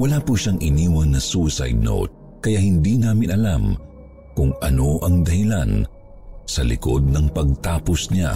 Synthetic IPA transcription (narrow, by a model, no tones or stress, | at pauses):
wɐlaːpuʃaŋʔɪniːwɐnːɐsusa̰jd̪̚no̰wt̪̚ | kɐjahɪnd̪inaːmɪnʔɐlam | kʊŋʔɐ̰no̞ʔɐŋd̪ɐhɪlan | sɐlɪ̰ko̞̰d̪̚nɐŋpɐɡ̚t̪aːposna̰